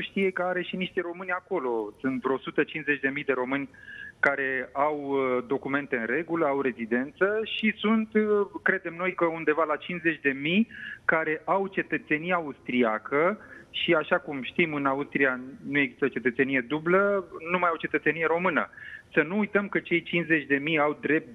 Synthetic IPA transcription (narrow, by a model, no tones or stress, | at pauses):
ʃt̪ije̞kəaɾe̞ʃiniʃt̪eɾo̞mɨnʲako̞lo̞sunt̪vɾo̞sut̪ət͡ʃinze̞t͡ʃd̪e̞mijd̪e̞ɾo̞mɨnʲkaɾe̞awd̪o̞kume̞nt̪e̞ɨnre̞ɡuləawɾe̞zid̪e̞nt̪səʃisunt̪kɾe̞d̪e̞mno̞jkəund̪e̞valat͡ʃinze̞t͡ʃʲd̪e̞mijkaɾe̞ʔawt͡ʃe̞t̪ət̪se̞nijaːust̪ɾiakəʃiaʃakumʃt̪imɨnaust̪ɾijanujeɡzist̪o̞t͡ʃe̞t̪ət̪se̞nije̞d̪ublənumajawt͡ʃe̞t̪ət̪se̞nije̞ɾo̞mɨnə̰sənuːjt̪əmkət͡ʃe̞jt͡ʃinsze̞t͡ʃʲd̪e̞mijawd̪ɾe̞p̚t̪